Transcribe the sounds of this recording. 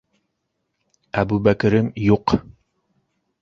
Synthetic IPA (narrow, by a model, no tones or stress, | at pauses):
æbubækɘ̆ɾɘmjuq